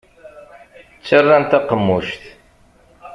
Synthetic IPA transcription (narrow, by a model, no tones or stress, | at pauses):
t͡sːərːant̪aqəmːuʃt̪